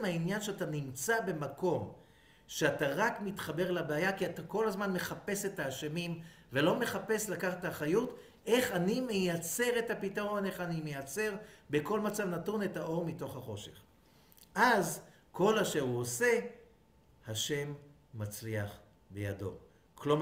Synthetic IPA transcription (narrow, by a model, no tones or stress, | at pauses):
mhainjanʃeatanimt͡sabe̞mako̞m | ʃeataʁakmitχabe̞ʁlabeajakiatako̞lazmanme̞χape̞se̞taːʃemim | velo̞me̞χape̞slakaχataχajut | ʔe̞χanimejat͡se̞ʁetapitaʁo̞ne̞χanimejat͡se̞ʁbeko̞lmat͡savnatune̞taʔo̞ʁmito̞χhaχo̞ʃe̞̰χ | ʔaz | ko̞laʃeuose̞ | haʃe̞mː | at͡sliaχ | bḛja̰do̞̰ | klom